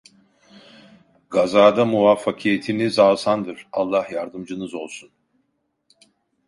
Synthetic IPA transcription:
ɡazaːd̪amuvafːakʰijet̪ʰinizaːsand̪ɯɾ̥alˠːahjaɾd̪ɯmd͡ʒɯnɯzo̞lˠsun

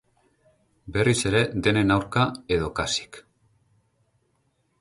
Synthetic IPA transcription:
be̞rise̞ɾe̞d̪e̞ne̞nawɾkae̞ð̞o̞kasi̥k

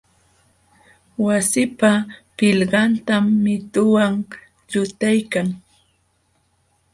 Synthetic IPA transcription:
wasɪpapɪʎɢɑnt̪amːɪt̪ʊwaŋ | ʎʊt̪ajkaŋ

